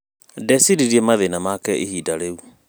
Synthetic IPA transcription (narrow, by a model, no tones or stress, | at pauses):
dɛsiɾiɾiɛmaðenamakɛʔehiːdaɾeu